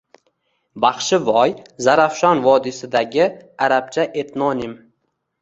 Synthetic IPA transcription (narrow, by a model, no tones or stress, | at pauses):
bɑχʃɪvɒjzaɾafʃɒnvɒd̪ɪsɪd̪aɡʲɪaɾap̚t͡ʃʰaʔe̞t̪nɒnɪm